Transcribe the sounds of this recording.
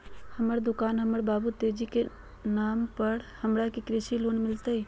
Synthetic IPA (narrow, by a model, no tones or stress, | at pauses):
həməɾd̪ʊkaːnɦəməɾbaːbut̪ed͡ʒike | naːmpəɾhəmɾakikɾɪʃiloːnmɪlt̪əi